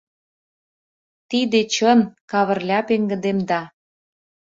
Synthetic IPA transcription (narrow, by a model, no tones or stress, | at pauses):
t̪id̪et͡ɕənkɑβə̆rlʲɑpeŋɡə̆d̪emd̪ɑ